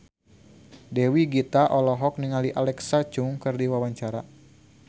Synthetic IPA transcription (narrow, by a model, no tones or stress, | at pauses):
dɛwiɡit̪aʔɔlɔɦɔk̚niŋaliʔalɛksat͡ʃuŋkɨrdiwawaɲt͡ʃaɾa